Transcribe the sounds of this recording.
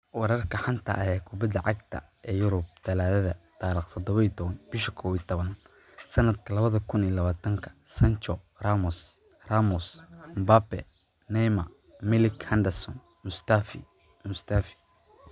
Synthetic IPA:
wɑɾɐrkʰɐħant̪ʰɐ̰ʔɐɦɛkʰʊbɐd̪ːɐʕɑɡt̪ʰɐ̰ | ʔɛːjʊɾʊb̚d̪̥ɐlaːðɐðɐt̪aːɾiːqt̪ʰɔd̪ɔβɐiːt̪ʰɔβɐnb̥ɪʃɐ̥kʰɔːwiːt̪ʰɔβɐn | sɐnɐd̪kʰɐlɐβɐðɐkʰʊniːlɐβaːt̪ʰɐŋkʰɐ̥sɐnt͡ʃɔ | raːmʊs | raːmʊsmbaːbɛ̰ | nɛjmɐ | mɪlɪkhɐnd̪ɛsɔ̰n | mʊst̪afi | mʊst̪ʰaːfɪ̥

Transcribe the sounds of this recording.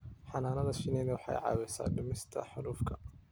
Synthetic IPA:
ħɑnaːnɐlɐʃɪnɛnɐwɑħɑ̰jʕɑ̰ːwɛjsa̰ːɖʊmɪst̪ʰɐ̰ħʊɾuːfkʰɐ

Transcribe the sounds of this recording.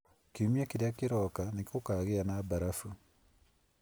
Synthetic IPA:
kiumiakeɾjakeɾɔkanekokaɣeanabaɾafu

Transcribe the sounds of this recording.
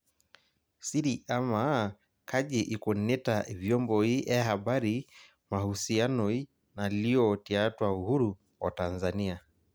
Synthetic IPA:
siɾiʔama | kʰaʄɛʔikɔnɛtavjɔmbɔhiʔahaɓaɾi | mahusianɔi | naliɔtiatwauhuɾu | wa̰tanzania

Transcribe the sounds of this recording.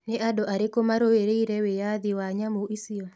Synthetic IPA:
neʔadɔʔaɾekomaɾoeɾeiɾɛwejaðiwaɲamoʔisiɔ

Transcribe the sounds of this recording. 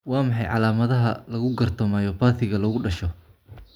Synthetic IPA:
wɑːmɑħɑ̰jʕɑ̰laːmɐðɐɦɐlɐɣʊɡɐrt̪ʰɔmaːjɔbaːθɪɣɐlɐɣʊɖɐʃɔ

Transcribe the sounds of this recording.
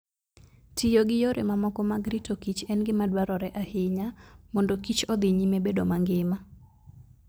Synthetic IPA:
tijoɡɪjoɾʔemamɔkɔmaɡɾitokit͡ʃɛnɡɪmadwaɾɔɾɛʔahɪɲamɔndɔkit͡ʃɔd̪iɲimebedomaŋɡɪma

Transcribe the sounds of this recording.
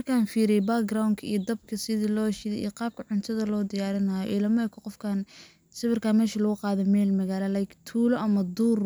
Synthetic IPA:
mɐrkʰaːnfiːɾɛjbaːɡrawnkʰɐijd̪ɐbkʰɐsɪðilɔːʃɪðɛḭːqɑːb̚kʰɐʕʊnt̪ʰɐðɐlɔːd̪ɪjaːɾɪnaːjɔ̰ʔilɐmɛkʰɔqɔfkʰaːn | sɪβɪrkʰaːmɛːʃɐlɐɣʊqɑːðɛmɛːlmɐɣaːlɐlaːjkt̪ʰuːlɔʔɐmɐd̪uːr

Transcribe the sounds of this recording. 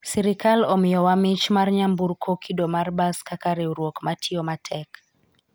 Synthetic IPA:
sɛɾikalɔmiɔwamit͡ʃmaɾɲambuɾkʰɔkʰidɔmaɾbaskakaɾɛuɾwɔkmatʰiɔmatʰɛk

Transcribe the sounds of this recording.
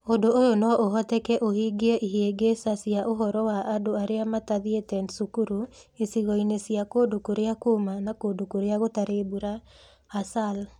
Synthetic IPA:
ondoojonɔʔoɦɔtɛkɛʔohiɡeɛʔiɦeɡesasiaʔoɦɔɾɔwaʔadoaɾeamataðietɛnsukuɾu | esiɣɔinesiakoːdokoɾeakumanakoːdokoɾeaɣotaɾeːbuɾaː | sal

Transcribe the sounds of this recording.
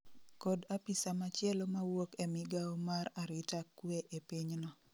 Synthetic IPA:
kodapisamat͡ʃjɛlomawokemɪɡaomaɾaɾɪtakːweʔepiɲnɔ

